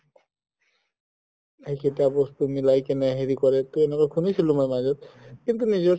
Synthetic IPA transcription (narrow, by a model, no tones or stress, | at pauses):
ejkʰetiabɔst̪umilajkenɛɦeɾikɔɾet̪uenekɔkʰunisʰilomajmad͡ʒɔt̪̚kint̪unid͡ʑɔ